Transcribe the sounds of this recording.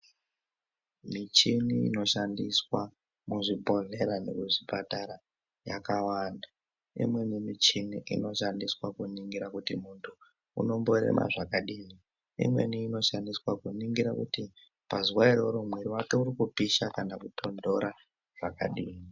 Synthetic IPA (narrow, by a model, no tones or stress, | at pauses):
mit͡ʃiniḭno̞ʃandiswa | muʐipo̞ɮe̞ɾane̞̰kuʐipataɾa | ja̰kawaːnda | ḭmwe̞nimit͡ʃiniʔḭno̞ʃandiswakuniŋɡiɾakutimuntʰu | ṵno̞mbo̞ɾḛmʔa̰ʐakaɗiːni | ḭmwe̞̰niːno̞ʃandiswakuniŋɡiɾakuti | paziwairo̞ɾomwiɾiwake̞uɾikupiʃakanakutʰo̞ndo̞ɾa | ʐ̥aka̰ɗiːni